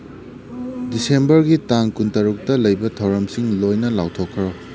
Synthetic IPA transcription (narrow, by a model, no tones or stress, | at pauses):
disembɐɾɡitaŋkuntɐɾuk̚tɐlɐjbɐtʰɐwɾɐmsiŋlojnɐlawtʰokʰːɾo